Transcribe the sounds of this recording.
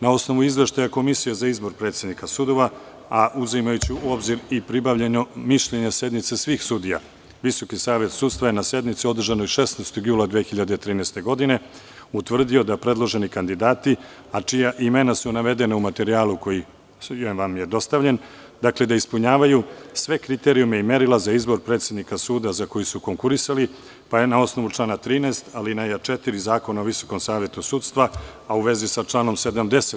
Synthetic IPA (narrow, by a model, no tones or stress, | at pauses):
nao̞sno̞ʋuizʋe̞ʃt̪ajako̞misijezaizbo̞ɾpɾe̞ːt̪sjed̪nikasud̪o̞ʋa | aʔuzimajut͡ɕiuo̞bziɾipɾibaʋʎeɲomiʃʎeɲese̞d̪nit̪sesʋiːxsud̪ija̰ | ʋiso̞kisaːʋe̞t̪suːd̪st̪ʋaje̞nase̞d̪nit̪sio̞d̪r̩ʒanojʃe̞sneːst̪oɡjuːlad̪ʋexiʎad̪et̪ɾiːnɛst̪e̞ɡo̞d̪ine̞ | ut̪ʋr̩d̪io̞d̪apɾe̞d̪lˠo̞ʒe̞nikand̪id̪aːt̪i | at͡ʃijaʔime̞nasunaʋe̞d̪e̞naumat̪e̞ɾiaːluko̞ji | jʋamje̞d̪o̞st̪aʋʎe̞n | d̪akle̞d̪aispuɲaːʋajusʋe̞kɾit̪e̞ɾijume̞ime̞ɾilˠazaizbo̞ɾpɾet̪sje̞d̪nikasuːd̪azako̞jisuko̞ŋkuɾisali | pajenao̞sno̞ʋut͡ʂlˠaːnat̪ɾiːneːst̪alinajat͡ʃet̪iɾizaːko̞naoʋiso̞ko̞msaːʋje̞t̪usuːt̪st̪ʋaauʋe̞zisat͡ʂlˠaːno̞mse̞d̪amd̪e̞se